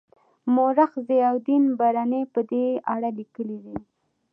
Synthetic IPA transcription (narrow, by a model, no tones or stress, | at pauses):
moɾaxzeawd̪inbaɾanepəd̪eaɽalikəlid̪i